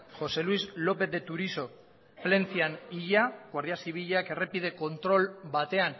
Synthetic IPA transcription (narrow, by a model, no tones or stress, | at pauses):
xo̞se̞luizlo̞pe̞θd̪et̪uɾiso̞ | ple̞nt͡sianiʎaɣwaɾð̞iasiβ̞iʎake̞re̞pið̞e̞ko̞nt̪ɾo̞lbat̪e̞an